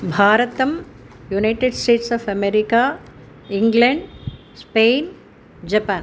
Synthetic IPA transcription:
bʱaːɾɐt̪ɐm | junɐɪʈeɖsʈeːʈsaːfɐmeɾikaː | iŋɡlɐɳɖ | speːn | d͡ʒɐpaːn

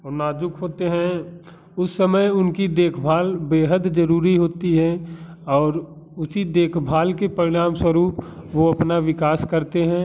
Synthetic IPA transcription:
ɔːnaːd͡ʒʊkɦoːt̪eɦɛ̃ | ʊsːəməjʊnkid̪eːkʰbʱaːlbeːɦəd̪d͡ʒəɾuːɾiɦoːt̪iɦɛ̃ɔːɾ | ʊsid̪eːkʰbʱaːlkepɐɾɪɽ̃aːmswəɾuːpʋoɐpnaʋɪkaːskɐɾt̪eɦɛ̃ː

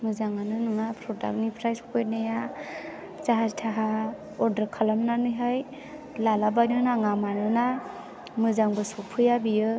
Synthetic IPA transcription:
mɯzaŋanɯnɯŋapʰɾɔda̰k̚nipʰɾajskʰɔjnaja | zaɦaztʰaɦa | ɔɾdaɾkʰalamnanɯjɦaj | lalabajnɯnaŋamanɯna | mɯzaŋbɯsɔpʰɯjabijɯ

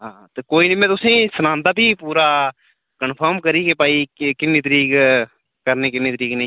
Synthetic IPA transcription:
ɦãːt̪eːkoːiːnə̃ːmɛ̃ːt̪ʊsẽːsənãːnd̪aːbʱiːpuːɾaː | kənpʰəɾmkəɾiːkepaːiːkɪnːeːt̪əɾiːk | kəɾneːkɪnːẽːt̪əɾiːkneĩː

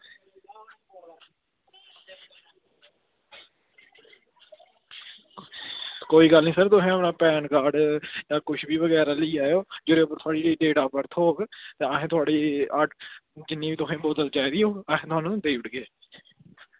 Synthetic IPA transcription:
koːiːɡəlnĩːsəɾt̪ʊɦẽːəpnãːpɛːnkaːɖjãːkʊʃʰbiːʋəɡɛːɾaːləiːaːjoːd͡ʒɪɾeːʊpəɾt̪ʰʊaːɽiːɾiːɖeːʈaːpəɾt̪ʰoːɡt̪eːəɦẽːt̪ʊaːɽiːaːʈd͡ʒɪnːĩːʋiːt̪ʊkẽːboːd̪əld͡ʒaːiːd̪ɪjoːəɦẽːt̪ʊaːnũd̪eːʋəʈɡeː

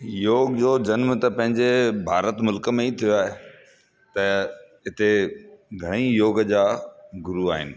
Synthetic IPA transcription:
joːɡd͡ʑoːd͡ʑɐnmt̪ɐpɐ̃ɦɪ̃ɲd͡ʑebʱaːɾət̪mʊlkə̆mẽit̪ʰijoaːɦe | t̪ɐɦɪt̪eɡʱɐɽ̃ijoːɡəd͡ʑaːɡʊɾuaːɦɪ̰nɪ̆

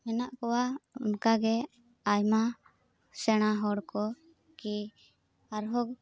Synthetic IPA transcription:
mɛnaʔkɔwaunkaɡɛ | ajma | sɛɽ̃aɦɔɽkɔ | ki | aɾɦɔɡ

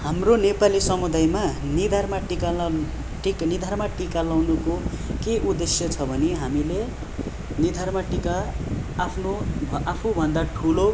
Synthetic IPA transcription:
hamronepalisʌmud̪ajmanid̪ʱarmaʈika | ʈiknid̪ʱarmaʈikalawnuko | keʔud̪esjʌt͡sʰʌbʱʌneɦamile | nid̪ʱarmaʈikaː | pʰnobapʰubʱʌnd̪aʈʰulo

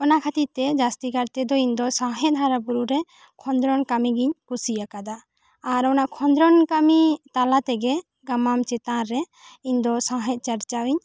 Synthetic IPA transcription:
ɔnakʰat̪it̪ɛd͡ʒast̪iɡaɾt̪ɛd̪ɔiɲd̪ɔsãɦɛt̪̚ɦaɾabuɾuɾɛ | kʰɔnd̪ɾɔnkamiɡiɲkusijakad̪aː | ɾɔnaʔkʰɔnd̪ɾɔnkamit̪alat̪ɛɡɛ | ɡamamt͡ʃɛt̪ãɾːɛ | iɲd̪ɔsãɦɛt̪̚ˀt͡ʃaɾt͡ʃawiɲ

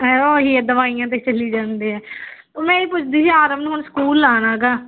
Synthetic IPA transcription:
oːɦiːd̪əʋaːijãːt̪eːt͡ʃəlːiːd͡ʒãːnd̪iːɦɛːt̪oːmɛ̃ːiːpʊt͡ʃʰd̪iːsiaːɾəmnũɦʊɳskuːlːaːnãːɡaː

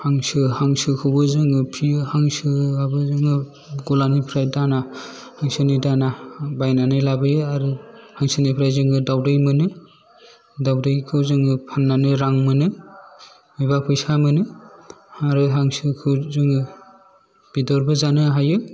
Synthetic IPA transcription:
haŋsɯhaŋsɯkʰɯwbɯzɯŋɯpʰijɯhaŋsɯabɯzɯŋɯ | ɡɔlanipʰɾajdana | haŋsɯnidanabajnanɯjlabɯjɯaɾɯhaŋsɯnipʰɾajzɯŋɯdawdɯjmɯnɯ | dawdɯjkʰɯzɯŋɯpʰanːanɯɾaŋmɯnɯ | mɯjβapʰɯjsamɯnɯ | aɾɯɦaŋsɯkʰɯwzɯŋɯ | b̥idɔɾbɯzanɯɦajɯ

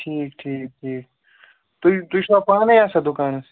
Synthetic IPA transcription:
ʈʰiːkʈʰiːk̚ʈʰiːk | t̪ot̪uiʃapaːnejaːsɐd̪ʊkaːns

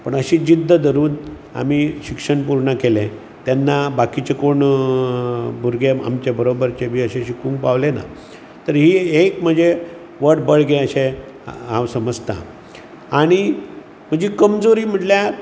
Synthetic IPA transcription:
pəɳəɕĩd͡ʑid̪ʱːəd̪ʱəɾuːn | a̰miɕikʂəɳpuɾɳəkelẽ | t̪janːabakit͡ɕekoɳ | bʱuɾɡea̰mt͡ɕebəɾobəɾt͡ɕebiːəɕẽɕikũŋk̚paʋlena̰ | t̪əɾɦiːekm̤əd͡ze | ʋəɽbəɭɡẽəɕẽ | ɦãʋsəməd͡zt̪ã̰ | aɽ̃i | m̤əd͡ʑekəmd͡zoɾiːm̤əʈlja

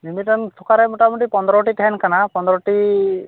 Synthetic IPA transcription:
mimiʈɔnt̪ʰɔkaɾɛmuʈamuʈipɔnd̪ɾɔʈiʈɛnkanapɔnd̪ɾɔʈi

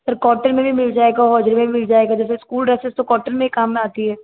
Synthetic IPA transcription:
səɾkɔːʈəɾmẽbʱimɪld͡ʒaːeːɡaɦɔːd͡ʒɾimẽbʱimɪld͡ʒaːeːɡad͡ʒɛːseskuːlɾɛːsɪst̪okɔːɾʈəɾmẽikaːmnẽaːt̪iɦɛː

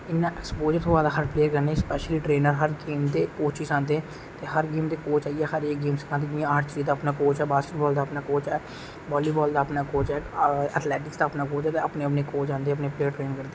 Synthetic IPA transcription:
ɪnːãːʔɛkspoːd͡ʒəɾt̪ʰoːʋaːd̪aːɦəɾpleːɾkəɾnẽːspɛːʃəliːʈɾeːnəɾɦəɾɡeːmd̪eːkoːt͡ʃiːsãːnd̪eː | t̪eːɦəɾɡeːmd̪eːkoːt͡ʃaːiɛːɦəɾeːkɡeːmskʰãːnt̪ed͡ʒãːaːɾt͡ʃɾiːd̪aːpnaːkoːt͡ʃɛːbaːskeʈ̚bɔːld̪aːəpnaːkoːt͡ʃɛː | bɔːliːbɔːld̪aːpnaːkoːt͡ʃɛːə̰t̪ʰlɛːʈɪksd̪aːəpnaːkoːt͡ʃɛːt̪eəpneːəpneːkoːt͡ʃãːnd̪eːəpneːpleːəɾʈɾeːnkəɾd̪eː

